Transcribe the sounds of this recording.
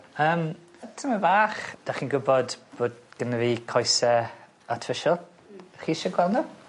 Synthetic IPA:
əːmətʰəməvaːχd̥aχiːnɡʊbɔdb̥oːdɡ̥ənəviːkʰɔjsɛ | atʰfɪʃəlˠ | χiːʃəɡwɛlˠnu

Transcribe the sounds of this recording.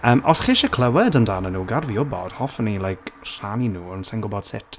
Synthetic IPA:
əːmʔɔsχɪːʃəkʰl̥ˠəwɛdəndaːnənuːɡarviʊbɔ̰d̥hɔfnilˠajkr̥aninuːənsɛŋɡʊbɔd̥sɪ̰tʰ

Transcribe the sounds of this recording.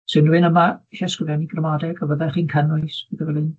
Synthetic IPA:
sɨnduɨnəmaʃɛskɪvjaniɡrəmadɛɡɔvəðɛχiːnkʰənʊjsbɨðəvɛlɨn

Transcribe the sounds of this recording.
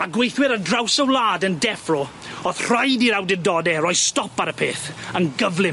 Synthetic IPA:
maɡwejθwɪɾədrawsəwlˠaːdəndɛfrɔ | oðr̥ajdiɾawdɪdɔdɛrɔjstɔpaɾəpʰeːθənɡəvlˠɪ

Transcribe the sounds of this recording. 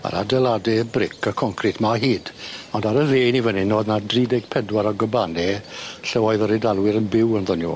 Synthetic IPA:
a̰ɾa̰dɛlˠadɛbrɪkʰakʰɔŋkʰrɪtʰmaɦiːdɔndaɾəveːnivənɪnoːdnadriːdɛɡ̚pʰɛdwaɾɔɡəbanɛɬɛwɔɨðɔɾidalˠwɪɾənbɪwənðɔnjṵː

